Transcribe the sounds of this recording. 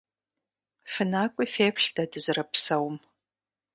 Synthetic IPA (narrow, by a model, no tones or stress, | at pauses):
fɨnaːkʷʼʊfeːpʰɬdadɨzɨrɐpsɐwm